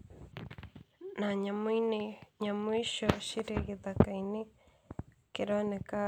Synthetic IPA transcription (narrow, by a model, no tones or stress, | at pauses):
naɲamuniɲamwiʃoʃiɾeɣiðakajni | keɾoneka